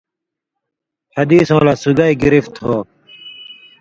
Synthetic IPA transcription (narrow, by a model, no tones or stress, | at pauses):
hɐd̪iːsõːlasuɡaiɡiɾift̪hoː